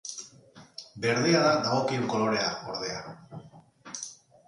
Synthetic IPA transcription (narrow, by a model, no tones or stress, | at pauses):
be̞ɾðeaðaðaɣo̞kiuŋko̞lo̞ɾe̞ao̞ɾðe̞a